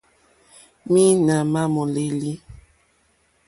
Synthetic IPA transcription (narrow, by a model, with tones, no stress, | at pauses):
mi˦na˨ma˦mɔ˨le˦˨li˦